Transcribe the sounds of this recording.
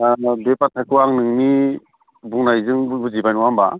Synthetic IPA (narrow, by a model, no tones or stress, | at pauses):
bepatʰajkʰɯwaŋnɯŋni | buŋnajzɯŋbbuzibajnɔwamba